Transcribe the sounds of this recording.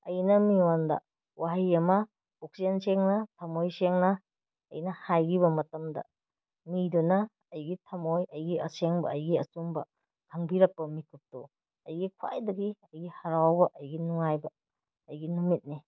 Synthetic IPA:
ɐjnɐmiwandɐ̰ | waɦajɐmɐ | ɔk̚senseŋnɐtʰamojseŋnɐ̰ː | jnɐhajɡiβɐmɐtɐmdɐ̰ | midunɐː | jɡitʰamojɐjɡiɐseŋbɐ̰ːjɡiɐ̰sumbɐ | kʰaŋbiɾɐk̚pɐmikʰup̚tu | ɐjɡikʰwa̰jdɐɡiɐjɡihaɾawbɐʔɐjɡinuŋajbɐː | jɡinumit̚ni

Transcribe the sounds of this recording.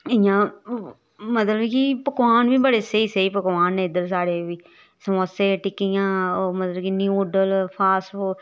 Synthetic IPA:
ɪjãː | mət̪ləbkipəkʋaːnʋiːbəɽeːsəiːseiːpəkʋaːnːẽːɪd̪əɾsaːɽeːʋiː | səməseːʈɪkijãːmət̪ləbkiniuːɖəlpʰaːsoː

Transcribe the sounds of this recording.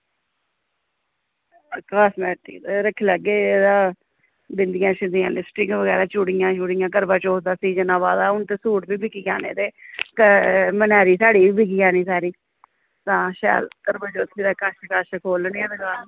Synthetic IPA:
kaːsmɛːʈḭːt̪eɾəkʰːeːləɡeːd̪ãː | bɪnd̪ɪjãːt͡ʃʰɪnd̪jã̰ːlɪsʈɪkʋəɡɛːɾaːt͡ʃuɽiːjãːt͡ʃuɽijãːk̬əɾbãːt͡ʃoːd̪aːsiːd͡ʒənãːbaːd̪aːʊnt̪eːsuːʈbiːbɪkiːkaːnḛːt̪eːkmənɛːɾiːsaːɽiːiːbɪkiːjaːniːsaːɾiː | t̪ãːʃɛ̰ːlkəɾbãːt͡ʃoːt̪ʰːeːd̪aːkaʃkaːʃkʰoːlniɛ̃ːd̪əɡaːl

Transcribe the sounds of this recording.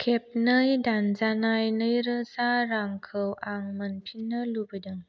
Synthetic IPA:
kʰep̚nəjdanzanajnəjɾəsaɾaŋkʰəwʔaŋmənpʰinəlubədəŋ

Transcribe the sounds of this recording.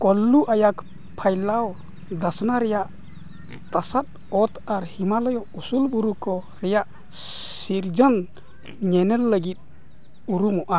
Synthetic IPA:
kɔlːuʔajak | pʰajlaw | d̪asnaɾɛjaʔ | t̪asat̪̚ | ɔt̪aɾhimalɔjɔusulbuɾukɔ | ɾɛjaʔ | siɾd͡ʒɔn | ɲɛnɛlːəɡit̪̚ | uɾumɔʔa

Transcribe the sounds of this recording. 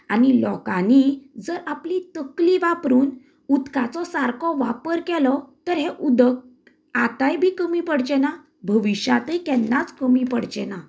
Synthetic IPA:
anilɔkanid͡zəɾaplit̪əkliʋapɾuːn | ud̪kat͡sɔsaɾkʰɔʋapəɾkɛlɔt̪əɾɦɛʔud̪ək̚ | at̪ajbʱiːkəmipəɽd͡ʑɛna | bʱəʋiɕjat̪əjkɛnːat͡skəmipəɽd͡ʑɛna

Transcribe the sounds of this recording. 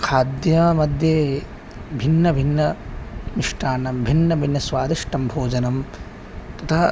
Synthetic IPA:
kʰaːd̪jɐmɐd̪ʱjeː | bʱinːɐbʱinːɐmiʂʈaːnɐmbʱinːɐbʱinːɐsʋaːd̪iʂʈɐmbʱoːd͡ʒɐnɐm | t̪ɐt̪ʰɐ

